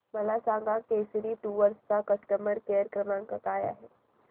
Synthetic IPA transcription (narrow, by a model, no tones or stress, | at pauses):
məlasãŋ̆ɡakejsəɾiːʈuːʋəɾst͡sakəsʈəməɾkejəɾkɾəmãŋkakaja̰ɦe